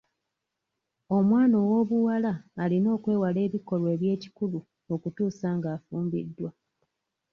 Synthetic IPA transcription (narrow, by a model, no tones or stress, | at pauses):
o̞mwaːno̞wo̞βuwalaːlino̞ːkwe̞ːwale̞ːβiko̞lwe̞ːβje̞ːci̥kulu | o̞kutuːsaːŋɡaːfuːmbḭdːwa